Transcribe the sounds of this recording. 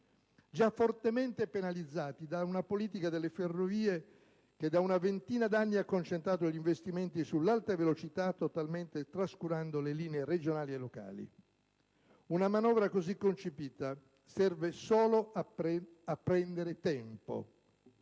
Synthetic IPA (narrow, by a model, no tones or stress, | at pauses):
d͡ʒafːort̪ement̪epenalid̪zːaːt̪id̪aunapoliːt̪̬ikad̪elːeferːoviːe | k̟ed̪aunavent̪iːnad̪anːiakːont͡ʃent̪ɾaːt̪̬oʎiɱvest̪iment̪isulːalt̪avelot͡ʃit̪at̪ːot̪alment̪et̪ɾaskuɾand̪oleliːneered͡ʒonaːlielːoka̰ːlḭ | unamanɔːvɾakozikːont͡ʃepiːt̪a | sɛrvesoːloa | apːɾɛnd̪eɾet̪ɛmpo̰